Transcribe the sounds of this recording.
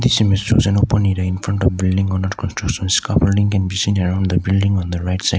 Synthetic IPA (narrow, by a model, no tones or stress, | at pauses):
d̪isimɪstɾo̰zɛ̃nopə̃niɾaɪ̃nfɾʌ̃ɳʈɔʋbɪlɖɪ̃ŋɔ̃naɾkʰɔ̃nsʈɾakʃə̃nskapəlɖĩŋkɛ̃nbisĩːnəɾãʊ̃ɳɖd̪əbɪlɖɪ̃ŋɔ̃nd̪əɾaɪʈsaɪ̥